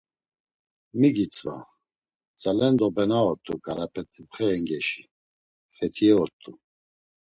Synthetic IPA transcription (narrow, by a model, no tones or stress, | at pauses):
miɡit͡sʼva̰ | t͡sʼalɛnd̪ɔbɛnaɔɾt̪ʼuɡaɾapʰɛt̪ʰibχɛːŋɡɛʃi̥ | fɛt̪ʰiɛɔɾt̪ʼu